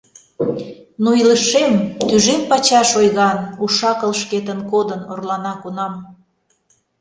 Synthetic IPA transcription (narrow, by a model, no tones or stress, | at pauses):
nuiləʃemt̪yʒempɑt͡ɕɑʃojɣɑnuʃɑkə̆lʃket̪ənkod̪ənorlɑnɑkunɑm